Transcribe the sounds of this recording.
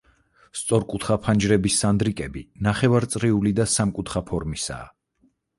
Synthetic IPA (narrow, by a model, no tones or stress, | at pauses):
st̪sʼɔɾkʼut̪ʰχapʰand͡ʒɾɛbisːand̪ɾikʼɛbinaχɛvaɾt̪sʼɾiulid̪asamkʼut̪ʰχapʰɔɾmisa̰ː